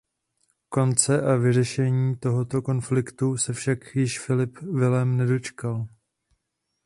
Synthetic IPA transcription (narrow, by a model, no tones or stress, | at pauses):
ko̞nt͡sɛʔavɪrɛʃɛɲiːt̪o̞ɦo̞t̪o̞ko̞nflɪkt̪usɛfʃakjɪʃfɪlɪpvɪlɛmnɛdo̞t͡ʃkal